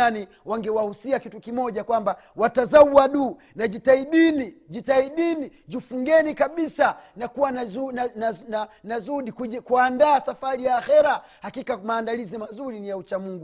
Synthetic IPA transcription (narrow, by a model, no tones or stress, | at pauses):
ani | waŋɡɛwahusiakitukimɔʄakwamba | watazauwaɗuː | naʄitaiɗinid͡ʒitaiɗinid͡ʒifuŋɡɛnikaɓisanakuwanazunanananazuɗikikuandaːsafaɾijaːxɛɾa | hakikamaːndalizimazuɾinijaut͡ʃamuŋɡu